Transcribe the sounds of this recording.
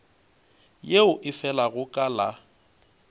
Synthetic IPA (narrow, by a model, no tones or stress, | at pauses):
jeʊʔɪfɛlaɣʊkʼala